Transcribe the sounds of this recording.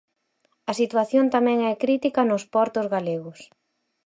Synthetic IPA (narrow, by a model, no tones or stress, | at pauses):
ɐsit̪waθjont̪amɛ̃ŋɛkɾit̪ikɐnʊspɔɾt̪ʊzɣaleɣʊs